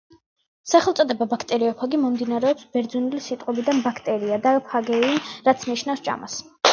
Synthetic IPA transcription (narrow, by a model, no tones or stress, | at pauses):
saχɛlˠt̪sʼɔd̪ɛbabakʰt̪ʼɛɾiɔpʰaɡimɔmd̪inaɾɛɔpsbɛɾd̪zɔnilisit̪ʼqʼɔbid̪anbakʰt̪ʼɛɾiad̪apʰaɡɛinɾat̪sʰniʃnafst͡ʃʼa̰mas